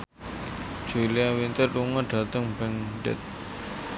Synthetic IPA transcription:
d͡ʒ̥uliawint̪əruŋaɖ̥a̤t̪əŋbɛŋɖɛ̰t̪̚

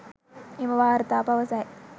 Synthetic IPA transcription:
imɐʋaːɾt̪aːpɐʋɐsaːj

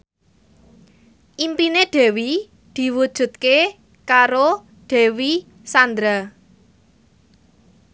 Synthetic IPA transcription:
ʔimpineɖ̪̥ɛ̤wi | d̪̥i̤wud̥ʒ̥ṳt̪̚ke | kaɾo | ɖ̥ɛ̤wi | sand̪ɾa

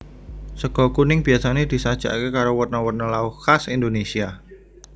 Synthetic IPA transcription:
səɡ̥ɔ̤kunɪŋb̥iasaned̪̥i̤sad̥ʒ̥a̰ʔkekaɾowərnɔwərnalaukasind̪onesia

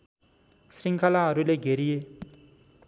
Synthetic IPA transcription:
sriŋkʰalaɦʌɾuleɡʱeɾije

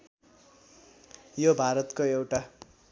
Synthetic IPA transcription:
jobʱaɾʌt̪koewʈa

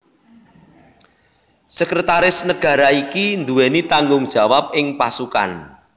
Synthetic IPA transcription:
sɛkɾət̪aɾɪsnəɡ̥ä̤ɾaikind̪uwenit̪aŋɡʊŋd̥ʒ̥a̤wap̚ɪŋpasuka̰n

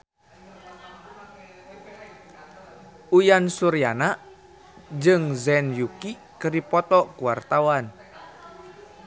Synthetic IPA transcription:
ujansuɾijanaʔ | d͡ʒɨŋzɛnjuki | kəripɔt̪ɔkuwart̪awan

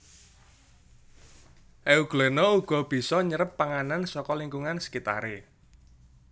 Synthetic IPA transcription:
ʔeuɡ̥lenɔuɡ̥ɔ̤b̥i̤sɔɲəɾəpːaŋanansɔkɔliŋkuŋansə̥kit̪a̰ɾe

